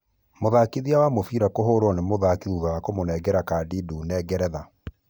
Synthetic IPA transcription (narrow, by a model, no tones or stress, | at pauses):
moðakiðiawamofiɾakoɦoɾwɔnemoðakiðuðawakomonɛɡɛɾakaːdeduːnɛɡɛɾɛða